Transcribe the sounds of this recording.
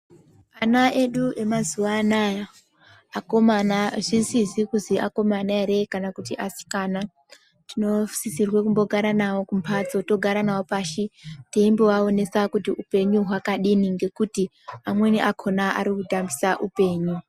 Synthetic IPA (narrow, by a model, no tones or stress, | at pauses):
anaʔeɗue̞mazuʋaːnajaː | komanaʐisizikuziʔako̞manaeɾe̞kanakutiʔasi̥kana | tino̞sisirwek̬umbo̞ɡʱaɾanawo̞kumpʰat͡so̞to̞ɡʱaɾanawopaʃiteimbowao̞ne̞sakutiupe̞ɲuɦwakaɗiniŋɡe̞kuti | amwe̞niʔakʰo̞naʔa̰ɾikutambisaʔupe̞ːɲu